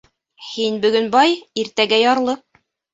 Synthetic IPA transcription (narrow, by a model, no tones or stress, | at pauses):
hinbɵ̆ɡɵnbɑjiɾt̪æɡæjɑɾlˠɤ